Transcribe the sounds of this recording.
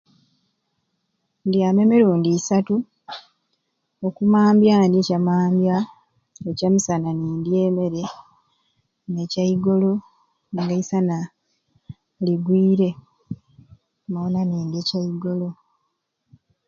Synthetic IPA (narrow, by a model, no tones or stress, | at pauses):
ndjaːmemiɾuːndisatu | okumaːmbjandiecamaːmbja | ecamisananiːndjeːme̞ɾe | necaiɡo̞lo̞ | ŋɡaisana | liɡwiːɾe̞ | mawonaniːndjecaiɡo̞lo̞